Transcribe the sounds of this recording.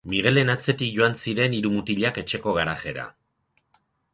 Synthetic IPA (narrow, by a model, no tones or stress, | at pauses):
miɣ̞e̞le̞nat͡se̞t̪ik̚ʝo̞ansiɾe̞niɾumut̪iʎake̞t͡ʃe̞ko̞ɣ̞aɾaxe̞ɾa̰